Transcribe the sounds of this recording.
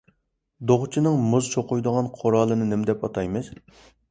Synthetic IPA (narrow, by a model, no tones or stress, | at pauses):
d̪oʁt͡ʃʰinɨŋmʊzt͡ʃʰoqʊjd̪ʊʁɑnqʰoɾɑːlˠɨnɨnɪmɪd̪ɛpɑt̪ʰɑjmɪs